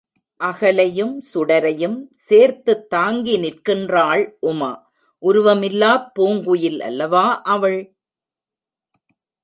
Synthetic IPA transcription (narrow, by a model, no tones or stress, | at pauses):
ʔɐɣɐlɐjɯmsʊɽɐɾɐjɯmseːɾt̪ɯt̪ːaːŋɡinɪrkɪndraːɭʔʊmɐ̰ | ʔʊɾʊʋɐmɪlːaːpːoːŋɡɯjɪlɐ̰lːɐʋaːʔɐʋɐɭ